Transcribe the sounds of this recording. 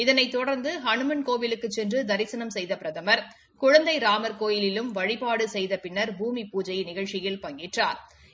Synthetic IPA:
ɪðɐnɐɪt̪ːɔɽɐɾnd̪ɯɦɐɳɯmɐnkoːʋɪlɯkːɯt͡ʃːɛndrɯd̪ɐɾɪsɐnɐmsɛjðɐpɪɾɐðɐmɐɾ | kʊɻɐnd̪ɐɪɾaːmɐɾkoːjɪlɪlɯmʋɐɻɪpaːɽɯsɛjðɐpɪnːɐɾbuːmipuːd͡ʒɐɪnɪɣɐɻt͡ʃɪjɪlpɐŋɡɪʈra̰ːɾ

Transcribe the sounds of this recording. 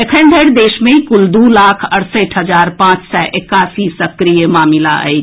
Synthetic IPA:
ekʰə̃nɖ̪ʱəɾd̪eːʃmẽikʊld̪ulaːkʰəɽsəʈɦəd͡ʒaːɾpãːt͡ʃsɔʔekaːsisəkɾijəmaːmɪla̰ə̰e

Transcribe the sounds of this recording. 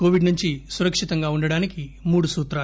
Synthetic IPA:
koːʋiɖnuɲt͡ʃisuɾɐkʂit̪ɐŋɡaːuɳɖɐɽaːnikimuːɽusuːt̪ɾaː

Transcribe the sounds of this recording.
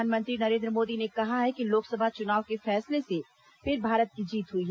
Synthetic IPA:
aːnmə̃nt̪ɾinɐɾẽːnd̪ɾəmoːd̪inekɐɦaɦɛkiloːksəbʱat͡ʃʊnaːʋkefɛːslese | pɪɾbʱaːɾət̪̚kid͡ʒiːt̪ɦʊiɦɛ

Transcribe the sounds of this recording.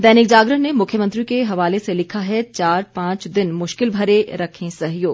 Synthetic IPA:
d̪ɛːnɪk̚d͡ʒaːɡɾəɦnemʊkʰjəmə̃nt̪ɾikeɦɐʋaːleselɪkʰaɦɛt͡ʃaːɾpãːt͡ʃd̪ɪnmʊʃkɪlbʱɐɾeɾɐkʰẽsɐɦjoːɡ

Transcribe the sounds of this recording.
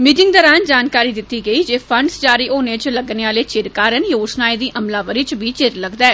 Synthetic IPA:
miːʈɪŋɡd̪ɔːɾaːnd͡ʒaːnkaːɾiːd̪ɪt̪ːiːɡəiːd͡ʒeːpʰəɳɖsd͡ʒaːɾiːʔoːneːt͡ʃləɡneːaːleːt͡ʃɪɾkaːɾənjoːsnaːiːd̪iːʔəmlaːʋəɾiːt͡ʃʋiːt͡ʃɪɾləɡd̪ɛː

